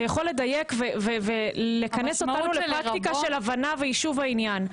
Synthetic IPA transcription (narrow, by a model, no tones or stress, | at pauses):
jaχo̞lːe̞d̪aje̞kvevevelekɐnesot̪anulepʁak̪ikaʃelavanavejiʃuvainjan